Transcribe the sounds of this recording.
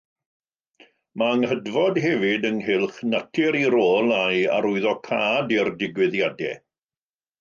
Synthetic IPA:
maəŋhədvɔdɦɛvɪdənɦɪlˠχnatʰɪɾiɾoːlˠaja̰ɾʊɨðɔkʰaːdɪrdɪɡwɪðjadɛ̰

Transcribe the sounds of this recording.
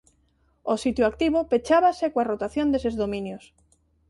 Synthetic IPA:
osit̪joak̚t̪iβopet͡ʃaβasekwarot̪aθjond̪esezðomĩnjos

